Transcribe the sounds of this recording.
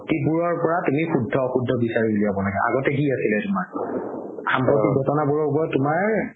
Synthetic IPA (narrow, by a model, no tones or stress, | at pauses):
tipuɹɔɹpɔɹatumixudʱːɔxudʱːɔbisaɹibuliabɔlaɡɛʔa̰ɡɔtɛɦiasilɛtʊmaɹ | xampɹɔtik̚ɡʱɔtɔnabuɹɔɹpɔɹatʊmaɹ